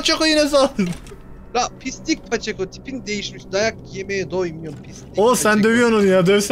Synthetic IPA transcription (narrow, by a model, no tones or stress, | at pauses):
t͡ʃʰokojinɛz̬alɯ | ɾapʰist̪ic̚ʲpʰat͡ʃʰekot̪ʰi̥pind̪ejiʃmiʃd̪ajak̚jemejɛd̪ojmijopʰisosænd̪øvijononjaːd̪øvs